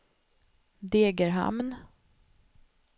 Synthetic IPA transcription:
d̪eːɡəɾɦa̰mn

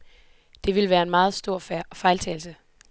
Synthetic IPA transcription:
d̥e̝ʋe̝lʋæːɐe̝nmɑ̈ːð̞̩ˠsd̥o̝ɐ̰fɑ̈ɪlt͡sʰɛ̰ːɪl̩sə

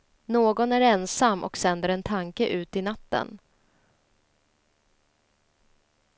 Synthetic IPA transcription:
noːɡɔnæɾɛnsamːʔɔ̰ksɛnd̪əɾɛnt̪ʰaŋkəʔʉ̟ːt̪ɪnat̪ːə̰n

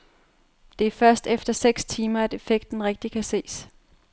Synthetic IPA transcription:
d̥e̝æɐfɶɐsd̥efd̥ɐseɡ̥st͡sʰiːmɐæd̥e̝feɡ̥̚d̥n̩ʁɛɡ̥̚d̥ikʰæse̝̰ːs

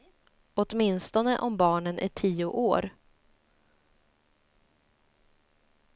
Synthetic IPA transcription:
ʔɔt̪mɪnst̪ɔnəʔɔmbɑːɳənʔɪ̰ʈʰiːʊʔoːɾ

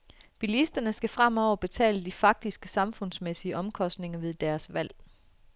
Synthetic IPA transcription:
b̥ilisd̥ɐnəsɡ̥æfʁam̰ɒʊ̰ɐb̥e̝t͡sʰɛ̰ːləd̥ifɑ̈ɡ̥̚d̥isɡ̥əsɑ̈mfɔ̽n̰smesiəʔɒ̽mkʰɒ̽sd̥ne̝ŋɐʋe̝ð̞ˠd̥æɐsʋæl̰

